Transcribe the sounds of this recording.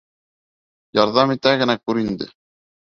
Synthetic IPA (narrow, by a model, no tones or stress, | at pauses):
jɑɾðɑmit̪æɡɘ̆nækʉɾind̪ɘ̰